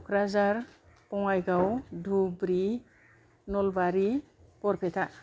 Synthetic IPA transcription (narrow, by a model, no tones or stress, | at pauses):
ɔkʰɾazaɾ | pɔŋajɡawdʱubɾi | nɔlbaɾi | pɔɾpʰɛtʰa